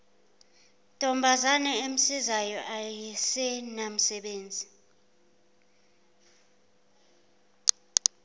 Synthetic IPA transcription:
tʼɔmbʱazanɛem̩sizajɔʔajɛsɛnam̩sɛɓeːnd͡zʱi

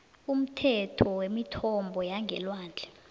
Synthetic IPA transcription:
um̩tʰɛtʰɔwemitʰɔmbʱɔjaŋɡʱɛ̰lwaːnd͡ɮʱɛ̥

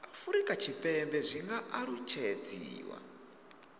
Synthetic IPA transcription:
afuɾikat͡ʃʰipembɛʐiŋɡaʔaɾut͡ʃed͡ziːwa̰

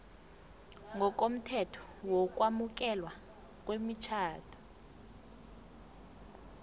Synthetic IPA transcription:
ŋɡɔk̬ʼom̩tʰɛtʰɔ̥wɔk̬ʼwamuk̬ɛlwa | k̬ʼwemit͡ʃʰaːtʰɔ̥

